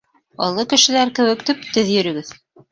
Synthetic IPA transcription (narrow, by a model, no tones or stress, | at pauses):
ɑ̰lˠːɤkɘ̆ʃɘ̆læɾkɘ̆wɘ̆kt̪ip̚t̪ɵðjɵ̆ɾɵ̆ɡɘð